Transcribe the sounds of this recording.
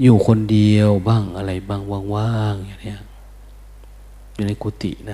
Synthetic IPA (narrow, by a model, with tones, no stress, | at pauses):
juː˧˩kʰo˧˨ndi˧əwbaː˧˥˩ŋʔa˧la˨˩jbaː˧˩ŋwaː˧˩˨ŋwaː˧˥˨ŋha˧˩˨n˧˨ | juː˧˩na˧˥˩jkʰuː˧˦t̪ḭ˨˩na˧